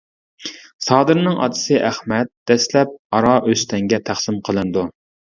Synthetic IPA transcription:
sɑːd̪ɨɾnɨŋʔɑ̰d̪ɨ̥sɨʔæχmɛt̪̚d̪̥ɛslɛp̚ɑɾɑʔøst̪ɛŋɡʲɛt̪ʰæχsɪmqʰəlˠɨnɨd̪u

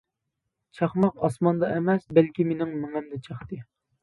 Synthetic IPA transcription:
t͡ʃʰɑχmɑqɑsmɑnd̪ɑʔɛmɛsbɛlkʲimenɪŋmɪŋɛmd̪ɛt͡ʃʰɑχt̪ɨ

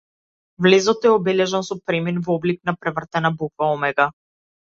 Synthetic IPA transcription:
vlɛzɔt̪ɛɔbɛlɛʒɛnsɔpɾɛminvɔblik̚napɾɛvr̩t̪ɛnabukvaɔmɛɡa

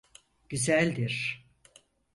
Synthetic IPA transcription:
ɟ̥yzælʲd̪iɾ̥

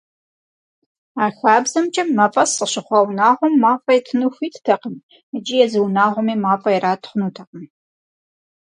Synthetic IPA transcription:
aːxaːbzɐmt͡ʃʼɐmːɐpʼɐsəɕɨχʷɐwnaːʁʷɔmːaːfʼɐjtʰɨnuxʷiːtʰtʰɐqən | əd͡ʒʼɪjɛzɨwnaːʁʷɔmiːmaːfʼɐjɛɾaːtʰχʷʊnuːtʰɐqən

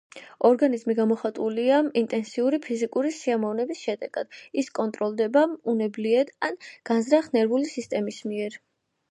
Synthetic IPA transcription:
ɔɾɡanizmiɡamɔχat̪ʼuliaint̪ʼɛnsiuɾipʰizikʼuɾisiamɔvnɛbisʃɛd̪ɛɡ̥a̰d̪̥iskʼɔnt̪ʼɾɔlˠd̪ɛbaunɛbliɛd̪anɡ̥anzɾaχnɛɾbulisist̪ʼɛmismiɛɾ

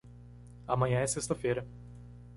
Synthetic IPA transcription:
amɐ̃ɲɐ̃ɛsest̪ɐfejɾɐ

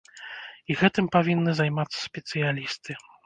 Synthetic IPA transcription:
iɣɛt̪ɨmpavʲinːɨzajmat̪sːɐ̥sʲpʲɛt̪sɨjalʲist̪ʰɨ

